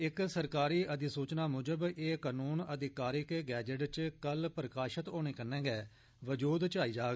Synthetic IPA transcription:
ɪksəɾkaːɾiːʔəd̪ɪsuːt͡ʃnaːmʊd͡ʒəbeːkaːnuːnəd̪ɪkaːɾɪkɡɛːd͡ʒəʈt͡ʃkəlpɾəkaːʃət̪oːñeːkəɾnɛ̃ːɡɛː | ʋəd͡ʒuːd̪t͡ʃaːiːd͡ʒaːɡ

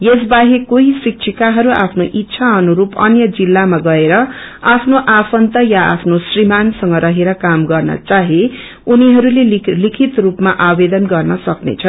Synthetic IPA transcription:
jes̬baɦekoɦisik̚t͡ʃʰikaɦʌɾua̰pʰnoʔitːsʰaʌnuɾupʌ̰njʌd͡zilːamaɡʌeɾʌ | apʰnoʔapʰʌnt̪ʌjaa̰pʰnosrimansʌŋɡʌɾʌɦeɾʌkamɡʌrnʌ̰t͡saɦe | uniɦʌɾulelikʰit̪rupmaʔabed̪ʌnɡʌrnʌsʌknḛt͡sʰʌn

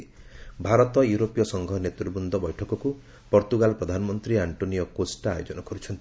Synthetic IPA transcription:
ibʱaɾɔt̪ɔjuɾopijɔsɔŋɡʱɔnet̪ɾubund̪ʱɔbɔjʈʰɔkɔku | pɔɾt̪uɡalpɾɔd̪ʱanɔmɔnt̪ɾiaɳʈonijɔkosʈajod͡ʒɔnɔkɔɾut͡ʃʰɔnt̪i

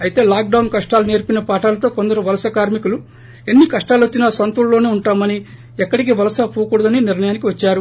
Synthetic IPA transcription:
ɐjit̪e̞ːlaːk̚ɖɐwnkɐʂʈaːlune̞ːɾpinɐpaːʈaːlɐt̪o̞ːko̞nd̪ɐɾuʋɐlɐsɐkaːɾmikulu | e̞nːikɐʂʈaːlot͡ʃːinɐsʋɐnt̪ulːo̞ːneːuɳʈaːmɐni | ɛkːɐɽik̬iʋɐlɐsɐpuːkuɽɐd̪ɐniniɾɳɐjaːnikiʋɐt͡ʃːaːɾu

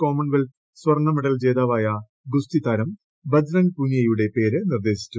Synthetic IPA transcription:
ko̞ːmɐnʋel | sʋɐrɳːɐmeɽɐld͡ʑe̞ːd̪aːʋaːjɐ | ɡust̪it̪aːɾɐm | bɐd͡ʑɾɐɳpunjɐjuɽe̞pe̞ːɾɨnird̪e̞ːɕi̥t͡ɕʲːu

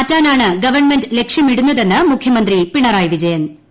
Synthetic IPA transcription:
ɐtːaːnaːɳɨɡɐʋɐrɳme̞ndle̞kʂjɐmiɽunːɐðe̞nːɨmukʰjɐmɐnd̪ripiɳɐɾaːjʋid͡ʑɐjɐn

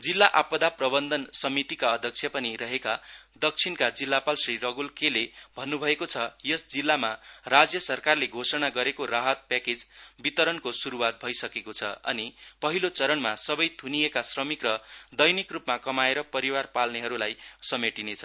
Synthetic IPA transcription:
d͡zilːaʔapʌd̪aprʌbʌnd̪ʌnsʌmit̪ikaʌd̪ʱjʌk̚t͡sʰjʌpʌniɾʌɦekad̪ʌk̚t͡sʰinkad͡zilːapalsriɾʌɡulkelebʱʌnːubʱʌekot͡sʰʌjʌsd͡zilːamarad͡zjʌsʌrkarleɡʱosʌnaɡʌɾekoraɦʌt̪̚paked͡zbit̪ʌɾʌnkosuɾuwat̪̚bʱʌjsʌkekot͡sʰʌ̰ʌ̰nipʌɦilot͡sʌɾʌnmasʌbʌjt̪ʰunijekasrʌmikrʌd̪ʌjnikrupmakʌmaeɾʌpʌɾiwarpalneɦʌɾulajsʌmeʈinet͡sʰʌ

